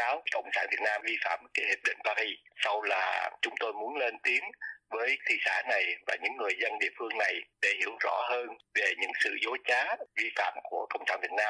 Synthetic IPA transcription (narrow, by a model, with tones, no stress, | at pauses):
aː˨˦wkə̰˧˨wŋ͡msa̰ː˧˩nvi˨˩ət̚naː˧mvi˧fa̰ː˧˨mka˨˦hï˨˩p̚ɗḭ̈˧˨ŋ̟paː˧ɾi˧sa˧wlaː˨˩t͡ɕʊ˨˦ŋ͡mt̪o˧jmu˨˦ənle˧nt̪i˨˦əŋvəː˨˦jt̪ʰḭ˧˨sa̰ː˧˩na˨˩jvaː˨˩ɲɨ̰˧˥ŋːɨ˨˩əjzə˧nɗḭ˧˨əfɨ˧əŋna˨˩jɗe˧˩hi˧˩əwzɔ̰˧˥həː˧nve˨˩ɲɨ̰˧˥ŋsɨ̰˧˨zo˨˦t͡ɕaː˨˦vi˧fa̰ː˧˨mku˧˩əkə̰˧˨wŋ͡msaː˧˩nvi˨˩ət̚naː˧